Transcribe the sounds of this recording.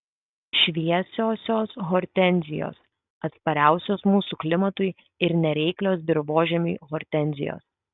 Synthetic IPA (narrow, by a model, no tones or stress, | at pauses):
ʃʲʋʲiɛsʲoːsʲoːsɣɔɾʲt̪ʲɛnʲzʲɪjo̰ːs | ɐt̪spɐɾʲæˑʊsʲoːsmuːsuːklʲɪmɐt̪ʊɪ | ɪɾnʲɛɾʲɛɪklʲoːsbʲɪɾʋoːʒʲɛmʲuːɣɔɾʲt̪ʲɛnʲzʲɪ̰jo̰ːs